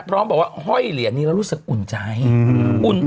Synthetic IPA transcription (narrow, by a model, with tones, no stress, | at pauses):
pʰɾɔː˦˥mbɛː˨˩k̚waː˥˩ɦɔ˥˩jli˨˩˦niː˦˥ɾa˧˥wɾuː˦˥sɯ˨˩k̚ʔu˨˩nt͡ɕa˨˦˥jʔu˨˩n